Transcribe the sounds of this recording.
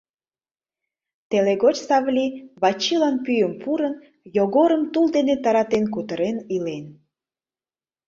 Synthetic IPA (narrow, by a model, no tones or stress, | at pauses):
t̪eleɣot͡ɕsɑβlʲiβɑt͡ɕilɑnpyjəmpuɾən | joɣoɾəmt̪uld̪enet̪ɑɾɑt̪enk̬ut̪əɾenilen